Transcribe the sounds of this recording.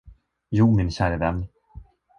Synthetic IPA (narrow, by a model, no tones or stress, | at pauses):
juːmɪnɕæːɾəvɛnː